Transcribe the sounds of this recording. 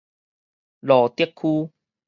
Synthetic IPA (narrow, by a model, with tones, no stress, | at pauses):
lɔː˨˩t̪i˥˩əkʰːuː˦